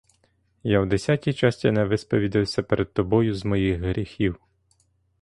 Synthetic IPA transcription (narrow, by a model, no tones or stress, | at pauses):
jawd̪esʲatʲit͡ʃɑsʲtʲinɛʋɪspɔʋʲid̪ɪwsʲɐpeɾʔed̪̚t̪ɔbɔjʊzmɔjixɦɾʲixʲiw